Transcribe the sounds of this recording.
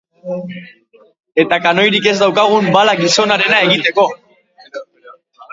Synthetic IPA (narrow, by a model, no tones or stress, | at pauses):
e̞t̪akano̞jɾike̞zd̪awkaɣ̞umbalaɡiso̞naɾe̞nae̞ɣit̪e̞ko̞